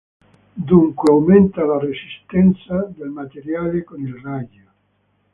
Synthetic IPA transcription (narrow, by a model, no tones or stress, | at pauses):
d̪uŋkweawment̪alaresist̪ɛnt̪sad̪elmat̪eɾjaːlekonilraja